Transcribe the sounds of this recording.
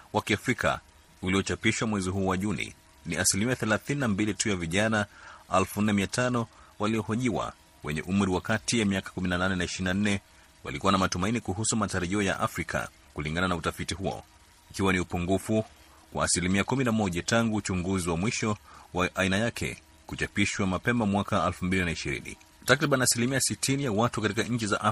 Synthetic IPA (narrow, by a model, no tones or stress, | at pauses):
wakiafɾikʰa̰ | uliɔt͡ʃapiʃwamwɛziɦuːwaʄunḭ | niasilimiaθɛlaθininambilitujaviʄanaalfun̩nɛmiatʰanɔwaliɔhɔʄiwa̰ | wɛɲɛ̰ʔum̩ɾiwakatijamiakḁkuminananɛnaiʃinan̩nɛ | wa̰likuwanamatumainikuɦusumataɾaʄiɔja̰ʔa̰fɾikʰa̰ | kuliŋɡananautafitihuɔ̰ | ikiwaniupuŋɡufu | kwa̰ːsilimiakuminamɔʄataŋɡuːt͡ʃuŋɡuziwamwiʃɔwaʔːinajakʰɛ̰ | kut͡ʃapiʃwamapɛmamwakaɛlfumbilinaiʃiɾḭnḭ | takɾiɓaniasilimiasitʰinijawatukatikaɲ̩t͡ʃiza̰ʔa